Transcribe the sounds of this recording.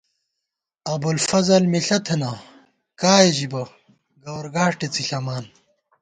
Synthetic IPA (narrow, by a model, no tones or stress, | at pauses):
ɐbulfɐzɐlmiɬɐt̪ʰenɐ | kaːjeʑibɐ | ɡɐwɐɾɡaːʂʈet͡siɬɐmaːn